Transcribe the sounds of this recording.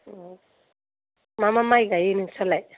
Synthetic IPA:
mamamajɡajininsʰɔlaj

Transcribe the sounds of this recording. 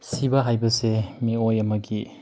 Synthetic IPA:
sibɐɦajbɐsemiojɐmɐɡi

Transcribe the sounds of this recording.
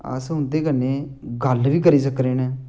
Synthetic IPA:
ə̰sʊ̃nd̪eːkənːeː | ɡəlʋiːkəɾiːs̬əkɾeːnɛː

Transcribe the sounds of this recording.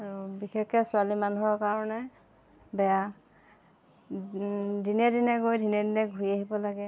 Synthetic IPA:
abixʰɛkɛsʊalimanuɦɔɹkaɹɔnɛ | bɛja | dinɛdinɛɡojdʱinɛdinɛɡʱuiaɦibɔlaɡɛ

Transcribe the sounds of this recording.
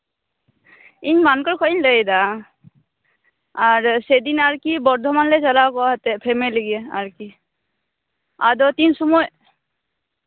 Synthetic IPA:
iɲmankɔɹkʰɔiɲləjd̪a | aɾsed̪inaɹkibɔɾd̪ʱɔmanlet͡ʃalawkɔaɦt̪ɛpʰemeləɡiɛa̰ɹki | a̰d̪ɔt̪insɔmɔj

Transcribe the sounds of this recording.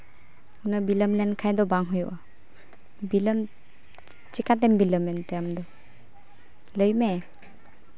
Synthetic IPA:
unabiləmlɛnkʰajd̪ɔbaŋɦujṵʔa | biləm | t͡ʃikat̪̬ɛmbiləmɛnt̪ɛamd̪ɔ | ləjmɛ

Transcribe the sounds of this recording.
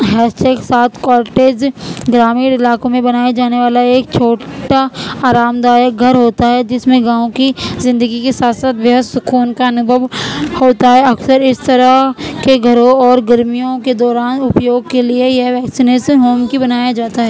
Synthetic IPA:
ɦɛːsʈeːksaːt̪ʰkɔːɾʈeːd͡ʒɡɾaːmiːɽɪlaːkõmẽbɐnaːjad͡ʒaːneʋaːlaeːk̚t͡ʃʰoːʈaaːɾaːmd̪aːjək̚ɡʱɐɾɦoːt̪aɦɛd͡ʒɪsmẽɡãːõkizɪ̃nd̪əɡikesaːt̪saːt̪ʋɐɦəsʊkʰuːnkaɐnʊbʱəʋhoːt̪aɦɛɐksəɾɪst̪ɐɾəkeɡʱɐɾõɔːɾɡɐɾmijõked̪ɔːɾaːnʊpjoːɡ̚keliejeɦʋɛːksineːʃənɦoːmkibɐnaːjad͡ʒaːt̪aɦɛː

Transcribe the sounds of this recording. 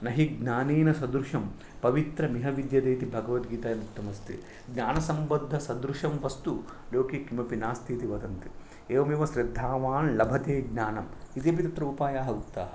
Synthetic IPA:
nɐɦiɡnaːniːnɐsɐd̪ɾuʂɐm | pɐʋit̪ɾɐmiɦɐʋid̪jɐd̪eːt̪ibʱɐɡɐʋɐt̪ɡiːt̪aːjɐmukt̪ːɐmɐst̪ḭ | ɡɲaːnɐsɐmbɐd̪ʱːɐsɐd̪ɾuʂɐmʋɐst̪uloːkeːkimɐpinaːst̪ʰiːt̪iʋɐd̪ɐnt̪i | eːʋɐmeːʋɐʃɾid̪ʱːaːʋaːnlɐbʱɐt̪eːɡ̚naːnɐmit̪eːbʱit̪ɐt̪ɾɐupaːjaːɦɐut̪ːa̰ːɦɐ

